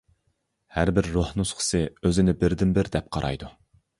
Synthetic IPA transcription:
hæɾbɪɾːohnusqʰɨ̥sɨøzɪnɪbɪɾd̪ɪmbɪɾd̪ɛp̚qʰɑɾʔɑ̰jd̪u

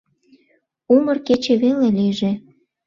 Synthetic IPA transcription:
umɤrket͡ɕeβeleliʒĕ

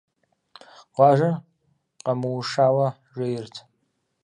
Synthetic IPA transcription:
qʷaʒa | qʼamuwʂawa | ʒʷɪjrtʰ

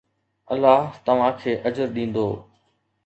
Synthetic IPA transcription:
əlːaːɦt̪əʋ̤ãːkʰeːʔəd͡ʒəɾɗĩːnd̪oː

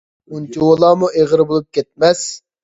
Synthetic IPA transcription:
unt̪iwolˠɑːmuʔeʁəɾɨbolˠup̚kʲɛt̪̚mɛs

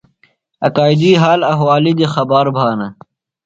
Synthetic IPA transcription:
ɐkaːid̪iːɦaːlɐɦwaːlid̪exɐbaːɾbʱaːnɐ

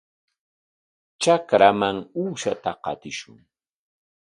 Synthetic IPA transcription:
t͡ʃakɾamaŋuːʃat̪aqɑ̰t̪ɪʃʊŋ

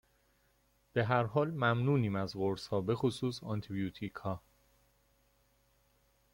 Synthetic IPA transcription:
b̥e̞ɦæɾɦɒːlmæmnuːniːmæzɢoɾshɒːbe̞xosuːsɒnt̪ʰibiuːt̪ʰikʰhɒː

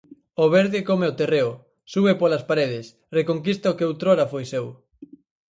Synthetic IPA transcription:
oβeɾðɪkomeot̪ereʊ | suβepolaspaɾeð̞ɪs | rekoŋkist̪ɐokeowt̪ɾoɾafojsew

